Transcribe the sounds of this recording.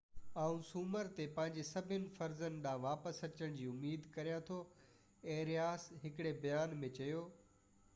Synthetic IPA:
aːũsuːməɾt̪epɐ̃ɦɪ̃ɲd͡ʑesɐbʱɪnɪ̆fɐɾzənɪ̆ɗãːʋaːpəsɐt͡ɕəɽ̃d͡ʑiːʊmiːd̪kɐɾijãt̪ʰo | ẽːɾijaːsɦɪkɪɽebɐjaːnmẽt͡ɕɐjoː

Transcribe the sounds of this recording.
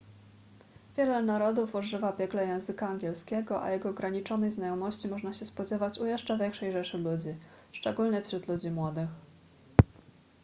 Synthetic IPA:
vʲjɛlɛnaɾɔd̪ufuʐɘvapʲjɛklɛjɛ̃w̃zɘkaːŋɡʲjɛlskʲɛɡɔʔa̰jɛɡɔːɡɾaɲit͡ʂɔnɛjznajɔmɔɕt͡ɕimɔʐnaɕɛspɔd͡ʑɛvat͡ɕujɛʂt͡ʂavʲjɛŋkʂɛjʐɛʂɘlud͡ʑi | ʂt͡ʂɛɡulɲɛfɕɾut̪lud͡ʑimwɔd̪ɘx

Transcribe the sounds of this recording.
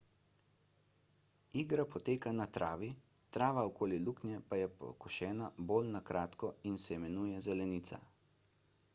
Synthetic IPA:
iːɡɾapɔt̪eːkanat̪ɾʔaːʋi | t̪ɾaːʋaɔkoːliluːknjɛpajɛpɔ̰kɔʃɛːnabolnakɾʔaːt̪kɔinsɛimɛnuːjɛzɛlɛniːt̪sa̰

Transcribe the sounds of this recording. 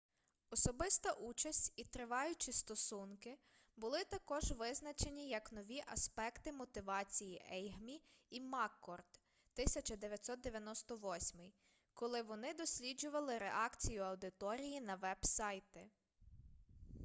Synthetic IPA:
ɔsɔbɪst̪ɐʔut͡ʃɐsʲtʲit̪ɾɪʋɑjʊt͡ʃist̪ɔsunkɪ | bʊlˠɪt̪ɐkɔʒʋɪznɐt͡ʃe̞nʲijɐknɔʋʲiʔɐspɛkt̪ɪmɔt̪ɪʋɑt͡sʲijiʔɛjɦmʲiimɑkːɔrd̪̥ | t̪ɪsʲɐt͡ʃɐd̪eʋʲjɐt̪ʲsɔt̪d̪eʋʲjɐnɔst̪ɔʋɔsʲmɪj | kɔlˠɪʋɔnɪd̪ɔsʲlʲid͡ʒʊʋɐlˠɪɾeʔɑkt͡sʲijʊɐwd̪ɪt̪ɔɾʲijinɐʋɛbsɑjt̪ɛ

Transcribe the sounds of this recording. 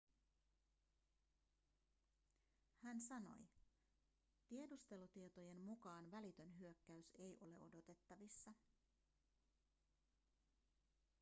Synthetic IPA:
hænsɑno̞̰j | t̪ie̞dust̪e̞lut̪iet̪o̞je̞nmukɑːnʋælit̪ø̞nɦyø̞kːæyse̞jʔo̞le̞ʔo̞do̞t̪e̞t̪ːɑʋisːɑ

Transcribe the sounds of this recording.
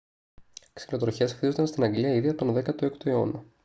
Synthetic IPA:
ksi̥lo̞t̪ɾoçe̞sxtizond̪ɐnst̪inɐŋɡliɐiðiɐpt̪o̞nðekɐt̪oekt̪oe̞o̞̰no

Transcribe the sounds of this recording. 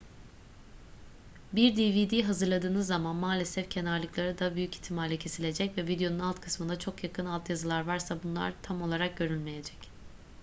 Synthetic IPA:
biɾd̪ivid̪iːɦazɯɾlˠad̪ɯːnɯzːamanmaːlʲe̞sɛfcʰe̞naɾlˠɯklˠaɾɯd̪abyjyci̥t̪ʰːimalʲɛcʰe̞silʲe̞d͡ʒɛcvɛvid̪ejo̞nunalˠt̪kʰɯ̥smɯnd̪at͡ʃʰo̞kjakʰɯnalˠt̪jazɯlˠaɾvaɾsabunlˠa̰ɾt̪ʰamo̞lˠaɾak̚ɟø̞ɾylʲme̞jed͡ʒɛ̥c

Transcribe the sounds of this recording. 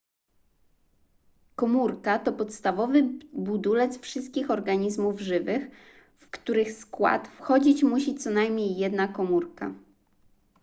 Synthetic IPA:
kɔmuɾkat̪ɔpɔt̪st̪avɔvɘbud̪ulɛt̪sfʂɘst̪̚kʲixɔɾɡaɲizmuvʐɘvɘx | fkt̪uɾɘxskwa̰t̪fxɔd͡ʑit͡ɕmuɕit̪sɔnajmʲɲejːɛd̪nakɔmuɾka

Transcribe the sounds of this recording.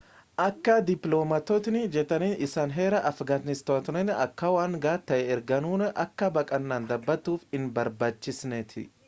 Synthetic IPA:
ʔɐkːɐd̪ɪploːmɐt̪oːt̪ɪnɪd͡ʒɛt̪ɐniːnɪsaːnɦe̞ːɾɐʔɐfɡaːt̪nɪst̪oːt̪nɛnɐkːɐwaːŋɡaːt̪ːɐʔɛɛɾɡɐnuːnɐʔɐkːɐbɐkʼɐnːaːnd̪ɐbːɐt̪ːuːfɪnbɐɾbaːt͡ʃːɪsnɛt̪ʰɪ̰

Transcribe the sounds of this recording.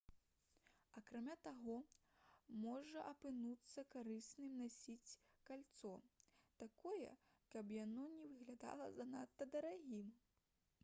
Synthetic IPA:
ɐkɾamʲat̪aɣɔ | mɔʐɐʔɐpɨnut̪sːɐkaɾɨsnɨmnasʲit͡sʲkalʲt̪sɔt̪akɔjɛ̰ | kɐpjanɔnʲɛvɨɣlʲad̪a̰lˠɐzɐnat̪ːɐd̪ɐɾaɣʲim

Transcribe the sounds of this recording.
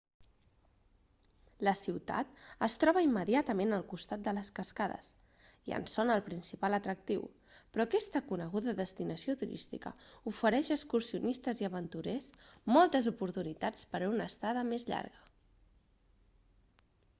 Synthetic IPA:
ləsiwt̪a̰t̪əst̪ɾɔβəimːəðiat̪əmenəlˠkust̪at̪̚d̪ələskəskaðə̰s | iə̰nsonəːlˠpɾinsipalət̪ɾək̚t̪iw | pɾɔkɛst̪əkunəɣ̞uðəðəst̪inəsiot̪uɾḭst̪ḭkə̰ufəɾɛʃəkskuɾsiunist̪əziəβənt̪uɾesmɔlˠt̪əzupuɾt̪unit̪at͡spəɾunəst̪aðəmezʎa̰ɾɣə

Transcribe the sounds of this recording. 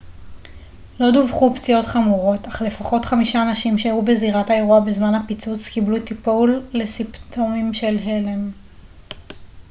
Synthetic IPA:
lo̞duvχupt͡sio̞tχamuʁo̞taχle̞faχo̞tχamiʃaːnaʃimʃeajube̞ziʁathae̞ʁuabezmanhapit͡sut͡skiblut̪ipolːe̞sipt̪ʰo̞mimʃe̞lɦe̞lem

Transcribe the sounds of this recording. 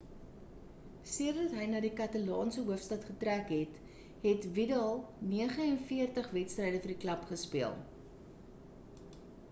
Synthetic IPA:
siəɾədɐtɦəjnɑːdikɐtɐlɑːnsəɦuəfstɐtχətrækɦɛt | ɦɛtvidɐlˠniəχəɛnfiərtəχvɛtstrɛjdəfərdiklɐpχəspiəlˠ

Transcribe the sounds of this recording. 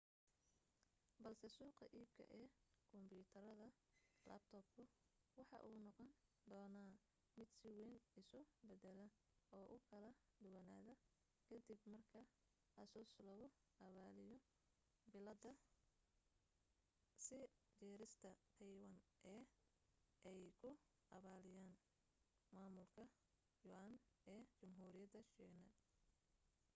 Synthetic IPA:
bɐlsɛsuːqɑʔiːb̚kʰɐ̰ʔɛːkʰɔmbjuːt̪ʰɐɾɐðɐ | la̰ːb̚t̪ʰɔːb̚kʰʊwɑħɑ̰ʔuːnɔqɔn | d̪ɔːnaː | mɪd̪sɪwɛːnɪsʊbɛd̪ɛlɐ | ɔːʔʊkʰɐlɐ | d̪ʊwɐna̰ːðɐ | kʰɐd̪ibmɐrkʰɐ | ʔɐsɔslɔɣɔ | ʔɐβaːlɪjɔ | bɪlɐd̪ɐ | sɪ | d͡ʒɛːɾɪst̪ʰɐt̪ʰɛjwɐnʔɛː | ʔɛjkʰʊ | ʔɐβaːlɪjaːn | maːmʊlkʰɐ | jʊʔanɛːt͡ʃʊmɦuːɾɪjɐd̪ɐʃɛːɡnɐ

